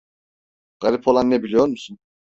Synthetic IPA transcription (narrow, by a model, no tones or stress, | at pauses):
ɡ̥alʲipʰolˠanːɛbilʲijoɾmusun